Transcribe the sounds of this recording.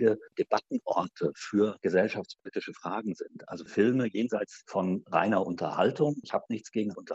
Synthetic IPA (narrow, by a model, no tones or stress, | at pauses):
ɡəd̥eb̥atn̩ʔɔ̰ɐtʰəfyːɐɡ̥əzɛlʃaft͡spʰoliːtɪʃəfʁ̥aːɡŋ̩zɪntʔa̰lzofɪlməjeːnzaɪt͡sfɔnʁa̰ɪnɐʔʊntɐ̰ha̰ltʊŋɪçhaːbənɪçt͡sɡ̥eːɡŋ̩ʔʊntɐ